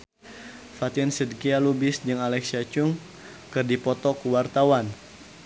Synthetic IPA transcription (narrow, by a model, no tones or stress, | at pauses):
fat̪insədkialubɪsd͡ʒɨŋalɛksiat͡ʃuŋ | kɨrdipɔt̪ɔkəwart̪awan